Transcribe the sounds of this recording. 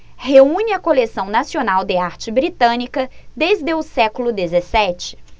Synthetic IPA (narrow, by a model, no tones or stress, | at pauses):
heũɲɪɐkolesɐ̃w̃nasionawd̪eaɾt͡ʃɪbɾit̪ɐ̃nikɐd̪ezd̪eʊsɛkʊlʊd̪ezesɛt͡ʃɪ̥